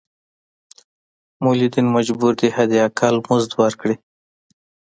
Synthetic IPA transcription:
mulid̪inmad͡ʒbuɾd̪ehad̪iakʰalmʊzd̪waɾkɽi

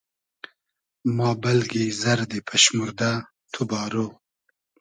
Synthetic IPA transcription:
mɑːbalɡizɐɾd̪epʰaʃmuɾd̪a | t̪ʰubɑːɾo

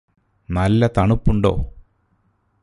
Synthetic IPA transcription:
nɐlːɐt̪ɐɳupːuɳɖo̞̰ː

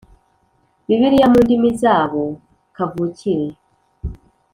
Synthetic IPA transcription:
βiβiɾijamuːndimizaːβo | kavuːciɾe

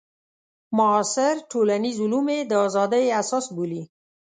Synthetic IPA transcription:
mʊːsɪɾʈolanizulumed̪əɑzɑd̪əjasɑsboli

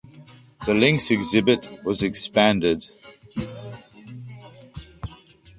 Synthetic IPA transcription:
ðəlɪ̃ŋksɛɡzɪbɪtwɒzɛkspæ̃ndɪd̥

